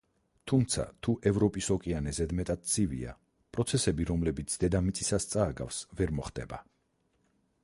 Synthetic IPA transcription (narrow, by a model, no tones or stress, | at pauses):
t̪ʰumt̪sʰa̰t̪ʰuʔɛvɾɔpʼisɔkʼianɛzɛd̪mɛt̪ʼad̪̥̚t̪sʰivḭa̰ | pʼɾɔt̪sʰɛsɛbiɾɔmlɛbit̪sʰd̪ɛd̪amit̪sʼisast̪sʼaːɡa̰fsvɛɾmɔχd̪ɛba